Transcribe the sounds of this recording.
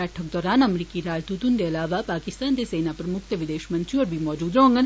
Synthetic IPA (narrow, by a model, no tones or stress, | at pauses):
ɛːʈʰək̚d̪ɔːɾaːnɐmɾiːkiɾaːd͡ʒd̪ut̪und̪eɐlaːʋapaːkɪst̪aːnd̪eseːnapɐɾmʊkt̪əʋɪd̪eːʃmɐ̃nt̪ɾiɔːɾbʱimɔːd͡ʒuːd̪ɾõːŋɡən